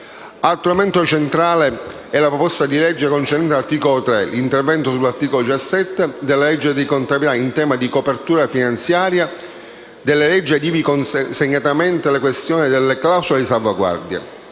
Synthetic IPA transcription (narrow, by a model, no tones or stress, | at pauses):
alt̪ːuɾament̪ot͡ʃent̪ɾaːle | ɛlapɾɔpɔst̪ad̪ilɛd͡ʒːekont͡ʃeɾɛnt̪ːrt̪iːkolot̪ɾɛlint̪ervɛnt̪osulːart̪iːkolod̪it͡ʃasːɛt̪ːed̪elːalɛd͡ʒːed̪ikont̪abilaint̪ɛːmad̪ikopert̪uːɾafinant̪sjaːɾja | d̪elːalɛd͡ʒːiad̪iːvikonsseɲːat̪amɛnt̪elekwest̪jɔːnid̪elːeklawsuled̪isalvaɡwa̰rd̪jḛ